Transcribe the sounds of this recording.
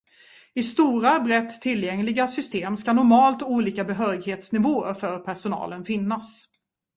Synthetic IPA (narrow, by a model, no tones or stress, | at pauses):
ɪst̪uːɾabɾɛt̪ʰːɪlːjɛŋlɪɡasʏst̪eːmskanʊɾmɑːlt̪uːliːkabɛɦœːɾɪɡheːt̪snɪvoːə̰ɾfœɾpʰæʂʊnɑ̰ːlənfɪnːas